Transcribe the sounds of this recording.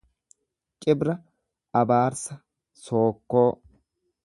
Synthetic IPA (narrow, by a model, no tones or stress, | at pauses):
t͡ʃʼɪbɾɐ | ʔɐbaːɾsɐ | so̞ːkːoː